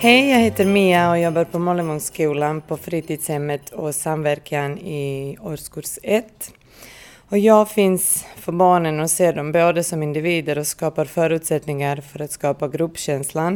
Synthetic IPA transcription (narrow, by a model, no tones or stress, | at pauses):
hɛjjɑːɡheːt̪əɾmiːaɔjɔbːaɾpʰɔmɔləmɔŋskʉ̟ːlanpʰɔfɾiːt̪iːd̪shɛmːət̪ʰɔsamvæɾkʰanɪɔɾskuɾsɛt̪ː | ɔjɑːɡfɪnsfœɾbɑːɳənɔseːɖɔmboːd̪əsɔmɪnd̪ɪviːd̪əɾɔskɑːpaɾfœːɾʉ̟ːt̪sɛt̪nɪŋaɾfœɾat̪skɑːpaɡɾʉpːɕɛnslan